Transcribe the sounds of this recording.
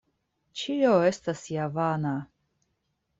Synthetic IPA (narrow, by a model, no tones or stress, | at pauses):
t͡ʃioe̞st̪asjavana